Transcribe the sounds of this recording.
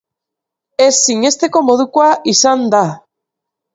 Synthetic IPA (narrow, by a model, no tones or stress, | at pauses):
esːiŋest̪ekomoðukwaisand̪a